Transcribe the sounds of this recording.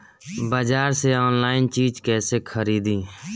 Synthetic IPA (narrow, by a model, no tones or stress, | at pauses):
bəd͡ʒaːɾseɔːnlaːɪnt͡ʃiːd͡ʒkɛːsekʰəɾiːd̪ĩː